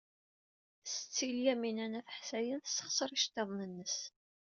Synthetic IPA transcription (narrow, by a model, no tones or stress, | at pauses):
sət͡sːiljæminænæθə̥ħsæjənθəsə̥χsəɾˤiʃt̪ːeðˤnənːəs